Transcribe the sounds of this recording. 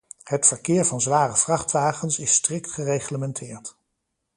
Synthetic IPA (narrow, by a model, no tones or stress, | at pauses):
hətfəɹkɪːɹvɑnzʋaːrəv̥rɑχtʋaːχənsɪstrɪktχərejχləmɛntʰɪːɹt